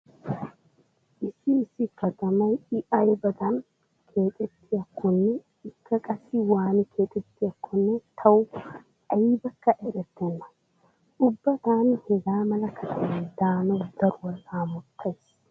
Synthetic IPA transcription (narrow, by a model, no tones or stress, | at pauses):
ʔɪsɪːsɪkɐt̪ɐmɐjɪʔɐjbɐd̪ɐn | kʰe̞ːt̪ʼɛt̪ːɪjɐkʰːɔnːɛ | ɪkːɐkʼɐsɪwaːnɪkʰe̞ːt̪ʼɛt̪ːɪjɐkːɔnːɛt̪ʰɐw | ʔɐɪbɐkːɐʔɛɾɛt̪ːɛnːɐ̥ | ʔʊbːɐt̪aːnhɛɡaːmɐlɐkʰɐt̪ʰɐmɐd̪aːnɔd̪̥ɐɾʊwɐlaːmʊt̪ʰːɐjs